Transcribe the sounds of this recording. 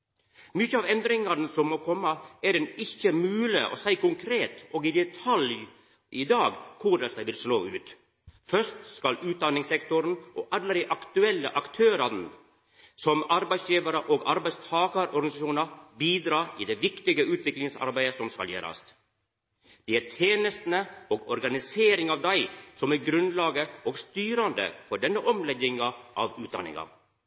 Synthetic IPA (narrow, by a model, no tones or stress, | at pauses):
mʏçəɑːʋɛnd̪ɾɪŋɑɾnəsɔmmoːkʰɔmːəɛɖɛnɪçːəmʉːlɪʔɔ̰ːsæɪkʊŋkʰɾeːt̪ʔɔːɡɪd̪ɛt̪ʰɑlj | ʔɪd̪ɑːɡkʰʊɾəsd̪æɪʋɪlsloːʉːt̪ | fœʂtskɑlʉːt̪̚d̪ɑnːɪŋsɛkt̪ʊɾənʔɔʔɑlːəɾɪʔɑkt̪ʉɛlːə̰ʔɑkt̪ʰøːɾɑn | sɔmɑɾbæɪsjiːʋɑɾəʔoɡɑɾbæɪst̪ʰɑːkɑɾɔɾɡɑnɪsɑʃuːnɑɾbiːd̪ɾɑːʔiːd̪eːʋɪkt̪ɪɡəʉːt̪ʰʋɪklɪŋsɑ̰ɾbæɪəsɔmskɑ̰ljḛːɾɑ̰st̪ | d̪̥ɛɪæt̪ʰjeːnəst̪nəoːɡɔɾɡɑnɪseːɾɪŋɑʋd̪æɪsɔmæɡɾʉnlɑːɡəoːɡst̪yːɾɑnd̪ə̰fɔɖɛnːəʔɔmlɛd̪ɪŋɑʔɑ̰ʋʉːt̪d̪ɑ̰nːɪ̰ŋɑ̰